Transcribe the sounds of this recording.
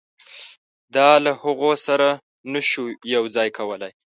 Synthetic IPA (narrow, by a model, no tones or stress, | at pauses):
d̪ɑlahʊɣosaɾa | nəʃujawd͡zɑjkʰawəlaj